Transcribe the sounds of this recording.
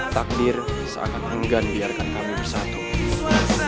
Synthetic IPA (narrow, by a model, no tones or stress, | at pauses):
t̪ak̚dɪrsəa̰kanəŋɡanbiarkankamibərsat̪u